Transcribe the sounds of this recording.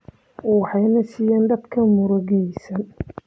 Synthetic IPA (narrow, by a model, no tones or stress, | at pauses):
uːħɑjnɐsijaːnd̪ɐd̪kʰɐmʊɾɔɡɛjsɐn